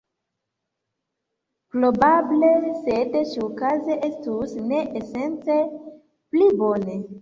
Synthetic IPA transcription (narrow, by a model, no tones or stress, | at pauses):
pɾobablesedʃiukazeʔestusne̞ʔese̞nt͡se | plibone